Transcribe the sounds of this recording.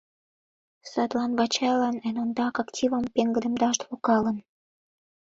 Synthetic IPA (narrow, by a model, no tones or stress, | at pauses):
sɑt̪lɑnβɑt͡ɕɑjlɑnenond̪ɑkɑktʲivəmpeŋɡə̆ɾə̆md̪ɑʃt̪βokɑlə̆n